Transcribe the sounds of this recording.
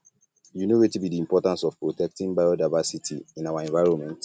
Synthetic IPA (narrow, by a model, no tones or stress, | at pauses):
junowetibidiĩmpɔtãnsɔfpɹotɛk̚tĩŋbajodaɪvasitʰḭĩnawaɛ̃vaɪɹɔ̃nmɛ̃nt